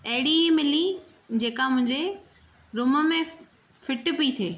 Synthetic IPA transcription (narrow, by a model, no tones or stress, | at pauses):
ɐɦɽimɪli | d͡ʑeːkamʊ̃ɦɪ̃ɲd͡ʑe | ɾʊməmẽ | fɪʈpiit̪ʰeː